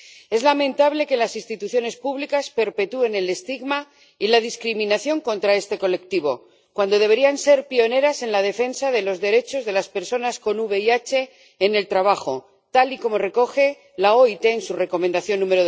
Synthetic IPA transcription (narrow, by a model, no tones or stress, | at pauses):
e̞zlamẽ̞nt̪aβle̞ke̞lasinst̪it̪uθjo̞ne̞spuβlikaspe̞ɾpe̞t̪ue̞ne̞le̞st̪iɣma | ilað̞iskɾimĩnaθjo̞ŋko̞nt̪ɾae̞st̪e̞ko̞le̞k̚t̪iβ̞o̞̰ | kwand̪o̞ðe̞βe̞ɾianse̞ɾpio̞ne̞ɾase̞nlað̞e̞fe̞nsaðe̞lo̞zðe̞ɾe̞t͡ʃo̞zðe̞laspe̞ɾso̞nasko̞nuβe̞iat͡ʃe̞ː | ne̞lt̪ɾaβaxo̞ | t̪aliko̞mo̞re̞ko̞xe̞ | lao̞it̪e̞ːnsure̞ko̞mẽnd̪aθjo̞nːũmeɾo